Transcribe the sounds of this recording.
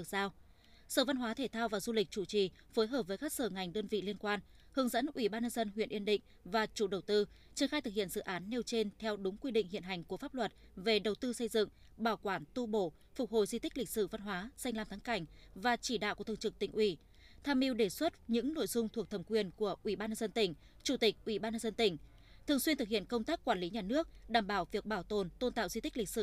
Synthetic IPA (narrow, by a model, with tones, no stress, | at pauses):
k̚zaː˧w | səː˧˩va˧nɦwaː˨˦t̪ʰe˧˩t̪ʰaː˧wvaː˨˩zu˧lï˨˩k̚t͡ɕu˧˩t͡ɕi˨˩ | fo˨˦jɦəː˨˩p̚vəː˨˦jkaː˦˥k̚səː˧˩ŋa˨˩jŋ̟ɗəː˧nvḭ˧˨li˧ənkwaː˧n | hɨ˨˦əŋzə̰˧˥nʔwi˧˩ɓaː˧nɲə˧nzə˧nɦwḭ˧˨ənʔi˧ənɗḭ̈˧˨ŋ̟vaː˨˩t͡ɕu˧˩ɗə˨˩wt̪ɨ˧ | t͡ɕi˨˩ənxaː˧jt̪ʰɨ˨˩k̚hḭ˧˨ənz̥ɨ̰˧˨ʔaː˨˦nːe˧wt͡ɕe˧nt̪ʰɛ˧wɗʊ˨˦ŋ͡mkwi˧ɗḭ˧ŋhḭ˧˨ənɦa˨˩jŋ̟ku˧˩əfaː˦˥p̚lwə˨˩t̚ | ve˨˩ɗə˨˩wt̪ɨ˧sə˧jzɨ̰˧˨ŋ | ɓaː˧˩wkwaː˧˩nt̪u˧ɓo̰˧˩˨ | fʊ˨˩k͡p̚ho̰˧˨jzi˧t̪ï˦˥k̟̚lï˨˩k̟̚sɨ˧˩va˧nɦwaː˨˦sa˧jŋ̟laː˧mt̪ʰa˨˦ŋka˧˩jŋ̟vaː˨˩t͡ɕi˧˩ɗa̰ː˧˨wku˧˩t̪ʰːə˩ŋt͡ɕɨ˨˩t̪ï˧˩ŋ̟ʔwi˧˩ | t̪ʰaː˧mʔi˧wɗe˧˩swə˦˥t̚ɲɨ̰˧˥ŋno̰˧˨jzʊ˧ŋ͡mt̪ʰu˨ək̚t̪ʰə˧˩mkwi˨˩ənku˧˩əʔwi˧˩ɓaː˧nɲə˧nzə˧nt̪ï˧˩ŋ̟ | t͡ɕu˧˩t̪ï˨˩k̚ʔwi˧˩ɓaː˧nɲə˧nzə˧nt̪ï˧˩ŋ̟ | t̪ʰɨ˨˩əŋswi˧ənt̪ɨ˨˩k̚hḭ˧˨ə˨nkə˧wŋ͡mt̪aː˦˥kːwaː˧˩nli˨˦ɲaː˨˩nɨ˦˥ək̚ɗaː˧˩mɓaː˧˩wvi˨˩ək̚ɓaː˧˩wt̪o˨˩nt̪o˧nt̪a̰ː˧˨wzi˧t̪i̟˦˥lï˨˩k̚sɨ̰˧˩